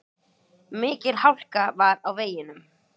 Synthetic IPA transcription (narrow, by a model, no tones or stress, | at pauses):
mɪːcɪlhawl̥kavaɾawveːjɪnʏm